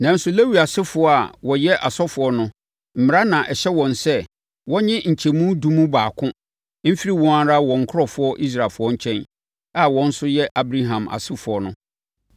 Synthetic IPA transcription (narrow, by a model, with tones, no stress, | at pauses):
nã˨n̩˦sʊ˨le˦wi˨a˨sɪ˦fʊ˨ɔ˦a˨wɔ˨jɛ˦ʔa˨sɔ˦fʊ˨ɔ˦nʊ̃˦ | m̩˨mɪ̃˨a˦nã˨ʔɛ˨ɕɛ˦wɔ̃˨nsɛ˦˨ | wɔ̃˦ɲɪ̃˦ɲ̩˨t͡ɕʰɛ˨mũ˦dũ˦mũ˦baː˨kʰʊ̃˦ | m̩˦fi˦ɾi˦˨wɔ̃˦a˦ɾa˦wɔ̃˨ŋ̩˨kʰʊ˦ɾɔ˦fʊ˦ɔ˦ʔi˦s̬ɾa˨lfʊ˨ɔ˦ɲ̩˦t͡ɕʰɛ̃˦n | a˨wɔ̃˦n̩˦sʊ˦jɛ˦ʔa˨bɾa˦ɦã˨ma̰˨sɪ˦fʊ˨ɔ˦nʊ̃˦